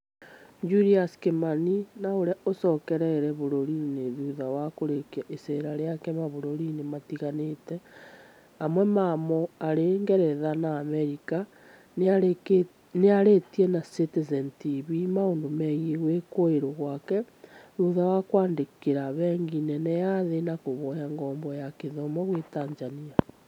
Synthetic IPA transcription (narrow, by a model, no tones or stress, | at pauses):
d͡ʒuɾiaskemaninaoɾjaosɔkɛɾɛɾɛβoɾoɾineðuðawakoɾekaʔeseɾaɾeakɛmaβoɾoɾinematiɣanetɛ | amwemamɔaɾeŋɡeɾɛðanaːmeɾika | neaɾetienasetezentiβimaondomɛɣeɣwekoeɾoɣwakɛ | ɾuðawakwaːndekeɾaβɛŋɡinɛnejaðenakoβɔjaŋɡɔːmbɔjakeðomɔɣwetanzania